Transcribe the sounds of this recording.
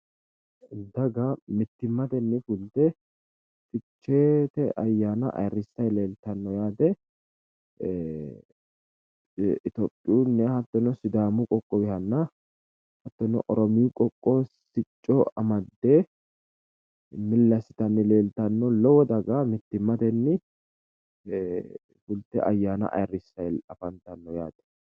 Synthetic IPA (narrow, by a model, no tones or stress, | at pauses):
d̪ɐɡɐmɪt̪ːɪmːɐt̪ɛnːɛfʊlt̪ɛ | fʼɪt͡ʃːeːt̪ɛʔɐjːaːnɐ̰ʔɐ̰jɾɪsːɐjleːlt̪ɐnːɔjaːd̪ɛ | ɪt̪opʼːɪunːɛhɐt̪ːɔnɔsɪd̪aːmʊkʼɔkʼːɔbɪhɐnːɐ | hɐt̪ːɔnɔ̰ʔɔɾɔmiːkʼɔkʼːɔsɪt͡ʃʼːɔɐmɐd̪ːe | mɪlːɐsɪ̥t̪ɐnːɪleːlt̪ɐnːɔlɔwɔd̪ɐɡamɪt̪ːɪmːɐt̪ɛnːɪ | fʊlt̪ːɛ̰ʔɐjːaːnɐ̰ʔɐ̰jrːɪsːɐjɐfɐnt̪ɐnːɔjaːd̪̥ɛ̥